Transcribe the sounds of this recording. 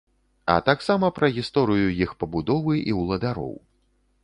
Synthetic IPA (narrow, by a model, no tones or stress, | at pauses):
ɐ̰t̪aksamɐpɾɐɣʲist̪ɔɾɨjujixpɐbud̪ɔvɨʔiwlˠɐd̪aɾɔ̰w